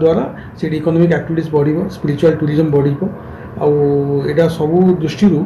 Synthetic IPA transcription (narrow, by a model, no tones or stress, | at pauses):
d̪waɾa | seɽiːkɔnɔmikɛk̚ʈibʱiʈisbɔɽ̤ibɔspiɾit͡ʃualʈuɾizɔmbɔɽ̤ibɔ | a̰weʈasɔbud̪ɾusʈiɾu